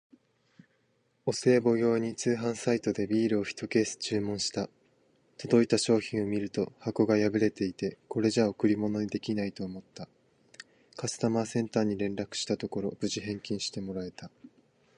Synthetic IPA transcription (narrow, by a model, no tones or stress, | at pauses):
o̞se̞ːbo̞ɡʲo̞ːɲ̟it͡sɨːɦãɰ̃sait̪o̞d̪e̞bʲiːɾɯ̟o̞çʲi̥t̪o̞ke̞ːsɨ̥t͡ɕɨːmõ̞ɰ̃ɕi̥t̪a | t̪o̞d̪o̞it̪aɕo̞ːçĩɰ̃omʲiɾɯ̟t̪o̞hako̞ɡajabɯ̟ɾe̞t̪e̞it̪e̞ko̞ɾe̞ʑaokɯ̟ɾʲimo̞no̞ɲid̪e̞kʲinait̪o̞ːmo̞t̪ːa | kasɨ̥t̪amasẽ̞nt̪aːɲ̟iɾẽ̞nɾakɯ̟̥ɕi̥t̪at̪o̞ko̞ɾo̞b̥ɯ̟ʑiɦẽ̞ŋkʲĩɰ̃ɕi̥t̪e̞mo̞ɾae̞t̪a